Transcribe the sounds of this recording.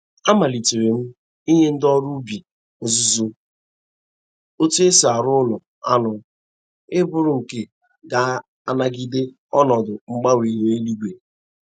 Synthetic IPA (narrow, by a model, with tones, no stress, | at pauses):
a˦ma˨li˨te˨ɾe˨m̩˦ | i˦ɦe˦n̩˦dɔ˦ɾu˦bi˨ | o˨zʊ˦zo˦ | o˦te˦sa˨ɾʊ˦nʊ˨ | a˦nʊ˨ | ɪ˦bʊ˦ɾʊ˨ŋ̩˨ke˨ | ɡa˨˦ | a˨na˦ɡi˦de˦ | ɔ˦nɔ˨dʊ˨ŋ͡m̩˦ɡ͡ba˦wi˨ɦe˦e˦li˦ɡʷe˨